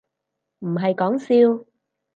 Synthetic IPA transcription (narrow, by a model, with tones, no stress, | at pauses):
m̩˨˩ɦɐ˨jkɔː˨˥ŋsiː˧w